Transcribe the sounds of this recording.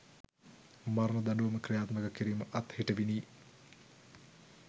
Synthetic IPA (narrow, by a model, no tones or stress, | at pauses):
maɾnɐd̪ɐnuʋɐməkrijaːt̪məkəkiɾiːməʔɐt̪heʈəʋiniː